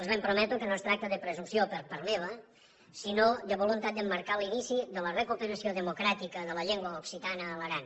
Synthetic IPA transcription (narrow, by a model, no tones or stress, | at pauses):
əlzβempɾomɛt̪ukənost̪ɾak̚t̪əðəpɾəzumsiopəɾpəɾmeβə | sinod̪əβolunt̪at̪̚d̪əmːəɾkalinisiðələrəkupəɾəsioðəmukɾat̪ikəðələʎeŋɡwəuksit̪anəːləɾan